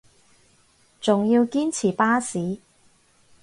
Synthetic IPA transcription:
t͡sʊ˨ŋji˧wkiː˥nt͡sʰiː˨˩paː˥siː˨˥

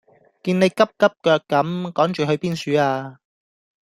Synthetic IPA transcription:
kiː˧ne˨˧jkɐ˥p̚kɐ˥p̚kœː˧kːɐ˨˥mkɔː˨˥ŋt͡ʃyː˨˩ɦɵ˧ɥpiː˥nsyː˨˥aː˧

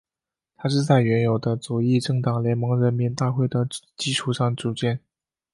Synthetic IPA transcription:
t̪ʰa˥ʂ̬ɻ̩˥˧t͡sa˥˩ɪɥɛ˧˥njo˨˩ʊd̪ə˦t͡swɔ˨˩i˥˧ʈ͡ʂɤ˥˩ŋt̪ɑ˨˩ŋljɛ˧˥nmɤ˧˥ŋɻə˧˥nmi˧˥nt̪a˥˧xwe˥˩ɪd̪ə˩t͡ɕi˥˩ʈ͡ʂʰu˨˩ʂɑ˥˩ŋʈ͡ʂu˨˩t͡ɕjɛ˥˩n

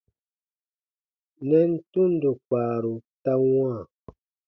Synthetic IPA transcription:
nɛ˦n̩˦tu˦n̩˦do˨k͡paː˨ɾu˨ta˦wãː˦˨

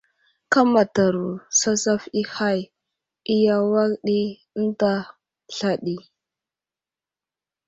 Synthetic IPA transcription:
ka˦ma˨ta˨ɾu˨sa˦sa˦fi˦ha˦j | i˦ja˦wa˦lɗi˦ | n̩˦ta˦ | ɬa˦ɗi˦

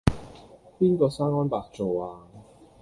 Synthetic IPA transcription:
piː˥nkɔː˧saː˥ŋɔː˥npaː˨k̚t͡so˨waː˨˩

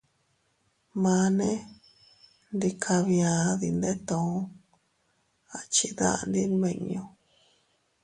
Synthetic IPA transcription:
mã˧nẽ˦ | nd̪i˧kʰa˧βja˧˨ði˧nd̪e˦t̪õ˨˦ | a˨t͡ʃi˧ða̰˦˧nd̪i˦mẽ˧ɲõ˧

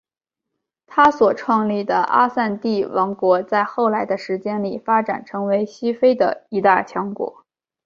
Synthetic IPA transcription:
t̪ʰa˥swɔ˨˩ʈ͡ʂʰwɑ˥˧ŋli˥˩d̪ə˩ʔa̰˥sa˥˧nt̪i˥˩wɑ˧˥ŋkwɔ˧˥t͡sa˥˧ɪxo˥˩ʊla˧˥ɪd̪ə˧ʂɻ̩˧˥t͡ɕjɛ˥nli˨˩fa˥ʈ͡ʂa̰˨˩nʈ͡ʂʰɤ˧˥ŋwe˧˥ɪɕi˥fe˥ɪd̪ə̰˨˩i˧˥t̪a˥˩t͡ɕʰjɑ˧˥ŋkwɔ̰˨˩˦

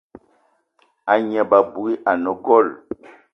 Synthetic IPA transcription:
a˨ɲɛ˨ba˨bu˨i˦ʔa˨nɔ˨ɡɔ˦˨l

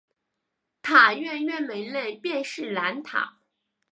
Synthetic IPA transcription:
t̪ʰa˨˩ɥɛ˥˧nɥɛ˥˩nme˧˥ɪle˥˧ɪpjɛ˥˧nʂɻ̩˥˩la˧˥nt̪ʰa̰˨˩˦

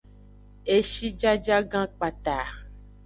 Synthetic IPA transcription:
e˦ʃi˦d͡ʒa˦d͡ʒa˦ɡã˦k͡pa˨t̪a˨

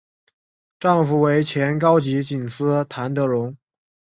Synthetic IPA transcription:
ʈ͡ʂɑ˥˩ŋfu˨˩we˧˥ɪt͡ɕʰjɛ˧˥nkɑ˥ʊt͡ɕi˧˥t͡ɕi˨˩nsɹ̩˥t̪ʰa˧˥nt̪ɤ˧˥ɻʊ˧˥ŋ

